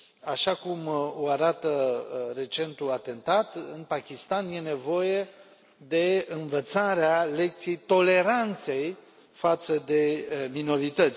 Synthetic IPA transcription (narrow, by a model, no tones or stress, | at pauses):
aʃakumoaɾat̪əɾe̞t͡ʃe̞nt̪uat̪e̞nt̪at̪ɨnpakʲist̪anje̞ne̞vo̞je̞ | d̪e̞ɨnvət̪saɾeale̞k̚t̪siejt̪o̞le̞ɾant̪se̞j | fat̪səd̪e̞mino̞ɾit̪ət̪sʲ